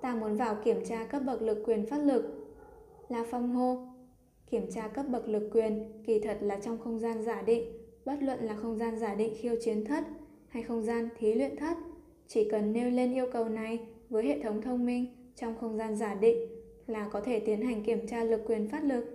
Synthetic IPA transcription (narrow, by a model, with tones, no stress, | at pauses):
t̪aː˧mu˨˦nvaː˨˩wki˧˩əmt͡ɕaː˧kə˦˥p̚ɓə˨˩k̚lɨ˨˩kːwi˨˩ənfaː˦˥t̚lɨ˨˩k̚ | laː˨˩fa˧wŋ͡mɦo˧ | ki˧˩əmt͡ɕaː˧kə˦˥p̚ɓə˨˩k̚lɨ˨˩kːwi˨˩ənki˧˩t̪ʰə˨˩t̚laː˨˩t͡ɕɔ˧wŋ͡mxə˧wŋ͡mzaː˧nzaː˧˩ɗḭ˧˨ŋ̟ɓə˦˥t̚lwə̰˧˨nlaː˨˩xə˧wŋ͡mzaː˧nzaː˧˩ɗḭ˧˨ŋ̟xi˧ə˧wt͡ɕi˨˦ənt̪ʰə˦˥t̚ | ha˧jxə˧wŋ͡mzaː˧nt̪ʰi˨˦lwḭ˧˨ənt̪ʰə˦˥t̚ | t͡ɕi˧˩kə˨˩nːe˧wle˧nʔi˧əwkə˨˩wna˨˩jvəː˨˦jɦḛ˧˨t̪ʰə˨˦wŋ͡mt̪ʰə˧wŋ͡mmi˧ŋ̟ | t͡ɕɔ˧wŋ͡mxə˧wŋ͡mzaː˧nzaː˧˩ɗḭ˧˨ŋ̟ | laː˨˩kɔ˨˦t̪ʰe˧˩t̪i˨˦ənɦa˨˩jŋ̟ki˧˩əmt͡ɕaː˧lɨ˨˩kːwi˨˩ənfaː˦˥t̚lɨ˨˩k̚